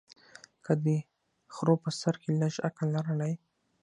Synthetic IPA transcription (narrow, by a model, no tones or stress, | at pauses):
kəd̪ə | xɾopəsaɾkeləʃa̰kalːaɾəlaj